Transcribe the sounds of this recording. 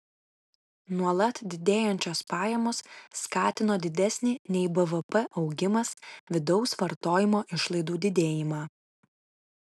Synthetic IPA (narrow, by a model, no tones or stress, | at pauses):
nuɔlˠɐt̪d̪ʲɪd̪ʲeːjɛnʲt͡ʃʲoːspɑːjɛmoːsːkɑːt̪ʲɪnoːd̪ʲɪd̪ʲɛsʲnʲiːnʲɛɪbɛʋəpɛʔɒʊɡʲɪmɐsʋʲɪd̪ɔʊsʋɐɾt̪oːjɪmoːʔɪʃlˠɐɪd̪uːd̪ʲɪd̪ʲeːjɪmɑː